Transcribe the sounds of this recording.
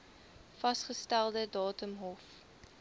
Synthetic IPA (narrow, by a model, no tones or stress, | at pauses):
fɐsχəstælˠdədɑːtəmɦɔf